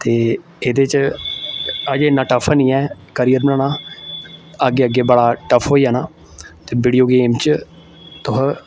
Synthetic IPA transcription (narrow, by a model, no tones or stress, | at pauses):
t̪eː | eːd̪eːt͡ʃ | əd͡ʒeːɪnːãːʈəfʰnĩːɛː | kəɾijəɾmnãːnãː | əɡːeːəɡːeːbəɽaːʈəfʰɦoːiːɛːnaː | t̪eːbiːɽijoːɡeːmt͡ʃ | t̪ʊɦ